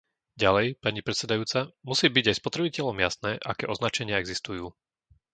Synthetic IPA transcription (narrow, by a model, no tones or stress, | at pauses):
ɟalɛjpaɲipɾɛt̪sɛd̪ajuːt͡samusiːbiɟajspɔt̪ɾɛbicɛʎɔmjasnɛːʔa̰kɛ̰ːʔɔznat͡ʃɛɲɪaɛɡzist̪ujuː